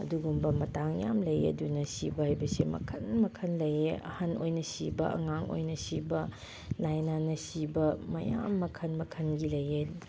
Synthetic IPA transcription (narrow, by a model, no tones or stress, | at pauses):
ɐ̰duɡumbɐmɐtaŋja̰mlɐjɐ̰dunɐsibɐhajbɐsemɐ̰kʰɐnmɐkʰɐnlɐjeɐ̰hanojnɐsibɐʔɐ̰ŋaŋo̰jnɐsibɐ | lajnanɐsibɐmɐja̰mːɐkʰɐnmɐkʰɐnɡilɐje